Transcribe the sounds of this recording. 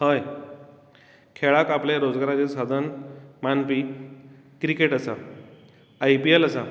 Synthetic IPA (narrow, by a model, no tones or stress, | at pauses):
həj | kʰeɭakapleɾod͡zɡaɾat͡ɕesad̪ʱənmanpi | kɾikeʈəsa | ajpieləsa